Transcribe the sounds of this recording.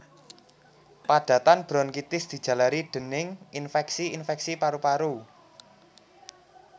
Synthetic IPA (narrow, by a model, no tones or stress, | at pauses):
pad̥ä̤t̪anb̥ɾɔnkit̪ɪsd̪̥i̤d̥ʒ̥ä̤laɾiɖ̪̥ə̤nɪŋinfɛksiinfɛksipaɾupaɾu